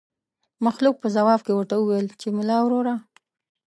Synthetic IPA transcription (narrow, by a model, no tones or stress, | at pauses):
maxluk̚pəzawɑbkewəɾt̪aəwelt͡ʃemʊlɑwɾoɾa